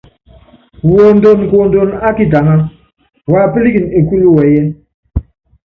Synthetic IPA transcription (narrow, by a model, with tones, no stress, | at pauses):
wo˨n˦do˦˨n˨ko˨n˦do˦˨na˦ki˦ta˨ŋa˦ | wa˦˨pi˦li˦ki˨ne˨ku˦lu˦wɛ˨˦jɛ˦